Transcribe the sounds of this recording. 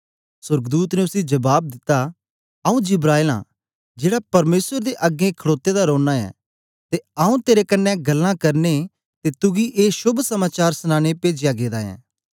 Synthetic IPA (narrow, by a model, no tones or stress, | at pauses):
sɐɾɡd̪uːt̪nɛʊsĩd͡ʒɐbaːb̚d̪ɪt̪ːa | ɐũd͡ʒɪbɾaːɪlã̰ː | d͡ʒeːɽapɐɾmeːsəɾd̪eʔɐɡẽkʰəɽoːt̪ed̪aɾoːnaɛ̰ | t̪eɐũt̪eːɾekɐnːɛ̃ɡɐlːãkɐɾne | t̪et̪ʊɡiʔeːʃʊbsɐmaːt͡ʃaːɾsənaːɽ̃epeːd͡ʒjaɡeːd̪aɛ̰ː